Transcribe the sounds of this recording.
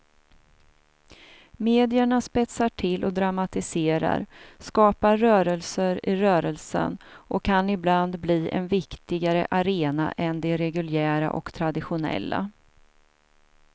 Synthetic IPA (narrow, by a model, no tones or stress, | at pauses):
meːd̪ɪəɳaspɛt̪saʈʰɪlːʔɔd̪ɾamat̪ɪseːɾa̰ɾskɑːpaːœːɾəlsəɾɪɾœːɾəlsə̰nʔɔkʰːanɪbland̪bliːʔɛ̰nvɪkt̪ɪɡaɾə̰ʔaɾeːna̰ʔɛnd̪ɛɾɛɡɵljæːɾa̰ʔɔ̰kt̪ʰɾad̪ɪɧʊnɛ̰lːa̰